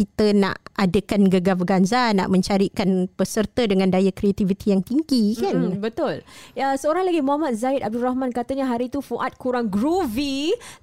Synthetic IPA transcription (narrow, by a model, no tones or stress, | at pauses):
kit̪əna̰ʔadəkanɡəɡabəɡanzana̰ʔmə̃ɲt͡ʃaɾikanpəsərt̪ədəŋãndajakɾiat̪ivit̪ijaŋt̪iŋɡikanbət̪ʊləsəoɾaŋlaɡimuamat̪̚zaɪt̪ab̚durahmãnkat̪aɲaɦaɾit̪ufuʔat̪̚kuɾaŋɡɾuvi